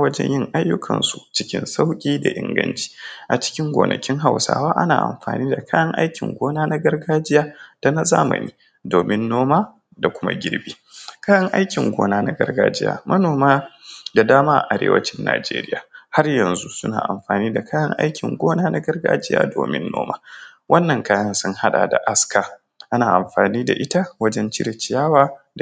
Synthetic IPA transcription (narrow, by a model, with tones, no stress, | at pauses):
wɐ˦d͡ʒɛ̰˦ɲjɪ˦ŋʔa˦jːʊ˦kʰɐ˨nsu˨t͡ʃɪ˦kʲɪ̰˦nsa˦wkʲʼiː˦da˨ʔɪ˨ŋɡɐ˦nt͡ʃi̥˦ʔa˨t͡ʃɪ̥˦kʲɪ˦ŋɡʷoː˨nʔɐ˨kʲɪ˦ŋɦa˨wsa̰ː˦waː˦ʔa˦na̰ː˨ʔa̰˨mɸaː˨niː˦da˨kʰaː˦jɐ˦ŋʔa˦jkʲɪ˨ŋɡʷoː˦naː˦na˦ɡɐ˦rɡaː˦d͡ʒɪ˦jaː˦d̥a˨na˦za̰ː˦mɐ̰˨niː˦ | doː˨mɪ˦nːoː˦maː˦ | da˨kʷʊ˦ma̰˦ɡʲɪ˦ɾbiː˦kaː˦jɐ˦ŋʔa˦jkʲɪ˨ŋɡʷoː˦naː˦na˦ɡɐ̰˦rɡaː˦d͡ʒɪ˦ja̰ː˨mʔɐ˦noː˨maː˦da˨daː˦maː˦ʔa̰˨ʔa˨ɾḛː˦wɐ̰˦t͡ʃɪ˦nːa̰ː˨d͡ʒḛː˦ɾɪ̰˦ja̰ː˨ha˦rjɐ˨nzu˦sʊ˦na̰ː˨ʔa̰˨mɸaː˨niː˦da˨kʰaː˦jɐ˦ŋʔa̰˦jkʲɪ˨ŋɡʷoː˦naː˦na˦ɡɐ˦rɡa̰ː˦d͡ʒɪ˦ja̰ː˦do̰ː˨mɪ̰˦nːo̰ː˦ma̰ː˦ | wʔɐ˦nːɐ˨ŋkaː˦jɐ˦nsʊ˦ŋha˦ɗa̰˨da̰˨ʔa˦ska˨ | ʔa˦naː˨ʔa˨mɸaː˨niː˦da̰˨ʔɪ˦ta˦wɐ˦d͡ʒɛ˦nt͡ʃɪ˦ɾe˨t͡ʃɪ˨jaː˦waː˦d